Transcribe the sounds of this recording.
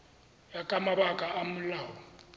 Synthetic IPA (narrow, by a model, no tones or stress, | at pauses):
jakʼamabakʼaʔamʊlaːwɔ